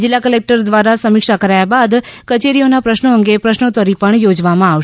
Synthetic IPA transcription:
d͡ʒɪlːakəlek̚ʈəɾd̪ʋaɾasəmɪkʃakəɾajabad̪kət͡ʃeɾionapɾəʃnoəŋɡepɾəʃnot̪əɾipəɳjod͡ʒʋamãaʋʃ

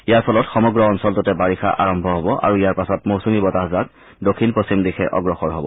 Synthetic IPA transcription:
ijaɹpʰɔlɔtxɔmɔɡɹɔɔnsɔltɔtɛbaɹixʰa̰ʔa̰ɹɔmbʱɔɦɔbɔʔa̰ɹuijaɹpasɔtmowsumibɔtaɦzak | dokʰːinposimdixʰɛ̰ʔɔ̰ɡɹɔxɔɹɦɔbɔ̰

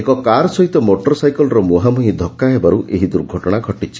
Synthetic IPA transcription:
ekɔkaɾɔsɔɦit̪ɔmoʈɔɾsajkɔlɔɾɔmuɦamuɦĩd̪ʱɔkːaɦebaɾuʔʔeɦid̪uɾɡʱɔʈɔɽ̃aɡʱɔʈit͡ʃʰi̥

